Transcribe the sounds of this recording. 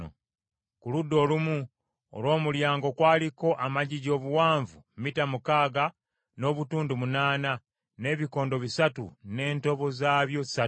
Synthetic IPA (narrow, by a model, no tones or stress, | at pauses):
o̰ | kuludːo̞ːlumu | o̰lwo̞ːmuljaːŋɡo̞kwaːliko̞ʔamaɟiɟo̞ːβuwaːɱvumitamukaːɡa | no̞ːβutuːndumunaːna | ne̞ːβiko̞ːndo̞βisatṵne̞ːnto̞βo̞zaːβjo̞sa